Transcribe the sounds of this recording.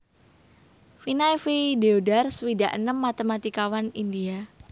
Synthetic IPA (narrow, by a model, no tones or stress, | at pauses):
finajfideodarsəwidaʔənəmːat̪emat̪ikawanindia